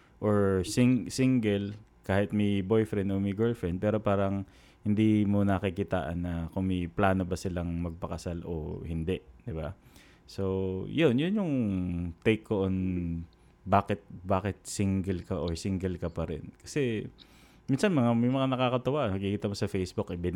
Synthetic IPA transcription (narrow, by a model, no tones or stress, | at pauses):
ʔoɹsiŋsiŋɡɛl | kaːhɪt̪̚mibo̞jfɾɛnd̪omɪɡɛlfɹɛnd̪̚pɛːɾo̞paːɾɐŋ | hɪnd̪iːmonɐkɪkit̪a̰ːʔɐ̰nːɐkoŋmɐjplaːno̞bɐsɪlaŋmɐɡ̚pɐkɐsalʔo̰hɪnd̪ɛʔd̪ɪba | sojʊnjʊnjʊŋt̪ejkːoʔon | baːkɪt̪̚baːkɪt̪̚siŋɡɛlkɐʔoɹsiŋɡɛlkɐpɐɾɛ̰nkɐ̥sɛ | minsɐnmɐŋamɪjmɐŋanɐkakɐt̪ɐwaʔ̪ɐɡ̚kikiːt̪ɐmosɐfejsbukʔɪbɪn